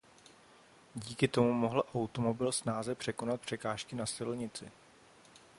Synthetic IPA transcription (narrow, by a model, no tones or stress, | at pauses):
ɟiːkɪt̪o̞mumo̞ɦl̩ʔawt̪o̞mo̞bɪlsnaːzɛpr̥ɛko̞nat̪̚pr̝̥ɛkaːʃkɪnasɪlɲɪt͡sɪ